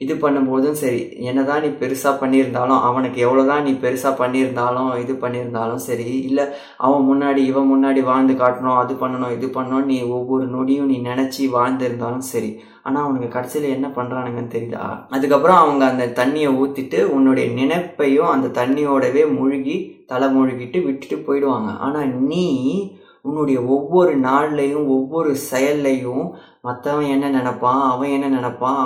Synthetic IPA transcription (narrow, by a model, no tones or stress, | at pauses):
ɪðɯpɐɳːɯmpoːðɯnsɐɾḭ | ɛnːɐt̪ãːniːpɛɾɯsaːpɐɳːɪɾɯnd̪aːlʊ̃ʔɐʋɐnɯkːɯɛʋːɐɭoːt̪ãːniːpɛɾɯsaːpɐɳːɪɾɯnd̪aːlʊ̃ɪðɯpɐɳːɪɾɯnd̪aːlʊ̃msɐɾiɪlːɛ | ʔɐ̰ʋɐ̃mʊnːaːɽiɪʋɐ̃mʊnːaːɽiʋaːɻnd̪ɯkaːʈːɐɳʊ̃ɐðɯpɐɳːɐɳʊ̃ɪðɯpɐɳːʊ̃nĩːɔʋːɔɾɯnɔɽɪjʊ̃niːnɪnɛt͡ʃːiʋaːɻnd̪ɪɾɯnd̪aːlʊ̃msɐɾḭ | a̰ːnaːɐʋɐnɐŋkːɐkɐɽɐt͡ʃːɪlɐɛnːɐpɐɳːɾãːnɐŋɡɐnːɯt̪ɛɾɪjða̰ɐðɯkːɐpːɯɾɐ̃ɐʋɐŋɡɐːnd̪ɐt̪ɐɳːɪjɐuːt̪ːɪʈːɯʊnːɯɽɐjɐnɪnɐɪpːɐjʊ̃ɐnd̪ɐt̪ɐɳːɪjoːɽɐʋeːmʊɻɯɣit̪ɐlɐmʊɻɯɣɪʈːɯʋɪʈːɯ̥ʈːɯpoːjɪɽɯʋaːŋɡɐ̰ʔa̰ːnaːniː | ʊnːɯɽɐjɐɔʋːɔɾɯnaːɻlɐjɯ̃ɔʋːɔɾɯsɛjɐlːɐjɯ̃ | mɐt̪ːɐʋɐ̃ɛnːɐnɪnɛpːãːɐʋɐ̃ɛnːɐnɪnɛpːãː